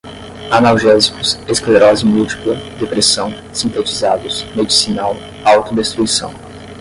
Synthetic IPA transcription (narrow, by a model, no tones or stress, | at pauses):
anawʒɛzikʊseskleɾɔzimud͡ʒi̥klɐd̪epɾesɐ̃w̃ | sĩnt̪et͡ʃizad̪ʊsmed͡ʒisinaw | awt̪ʊd̪est̪ɾuisɐ̰̃w̃